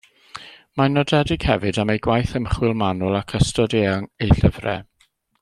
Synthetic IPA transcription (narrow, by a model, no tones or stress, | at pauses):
manɔdɛdɪɡ̥hɛvɨdamejɡwajθəmχwɪlˠmanʊlˠakʰəstɔdeaŋejɬəvrɛ̰